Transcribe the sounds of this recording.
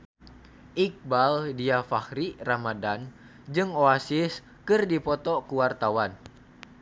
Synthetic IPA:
ʔik̚baldiafahɾiramadan | d͡ʒɨŋoasɪs | kɨrdipɔt̪ɔkuwart̪awan

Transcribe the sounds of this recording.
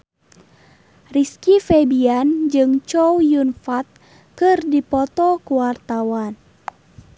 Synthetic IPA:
riskifebiand͡ʒɨŋt͡ʃɔwjunfat̪̚ | kɨrdipɔt̪ɔkuwart̪awan

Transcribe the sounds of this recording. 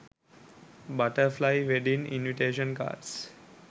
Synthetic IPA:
baʈəɾflaɪʋeɖinḭnʋiʈeːʃə̃nka̰ːɖs

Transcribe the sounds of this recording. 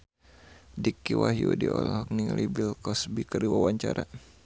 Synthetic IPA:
dikːiwaɦijudiɔlɔhɔk̚nilʔibilkɔsbikəriwawaɲt͡ʃaɾa

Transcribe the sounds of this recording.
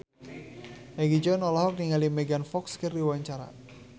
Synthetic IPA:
ʔɛɡid͡ʒɔnɔlaɦɔk̚niŋalimɛɡanfɔkskɨrdiwaɲt͡ʃaɾa̰

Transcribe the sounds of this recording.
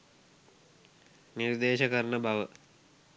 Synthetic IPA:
niɾd̪eːʃəkɐɾɳəbaʋə

